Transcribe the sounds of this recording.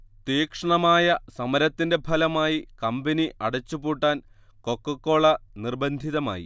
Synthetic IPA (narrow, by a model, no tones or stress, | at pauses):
t̪iːkʂɐɳɐmaːjɐsɐmɐɾɐt̪ːinde̞bʱɐlɐmaːjikɐmbɐniʔɐɽɐt͡ɕːupuːʈːaːn | ko̞kːɐkːo̞ːɭɐnirbɐnd̪ʱiðɐma̰ːjḭ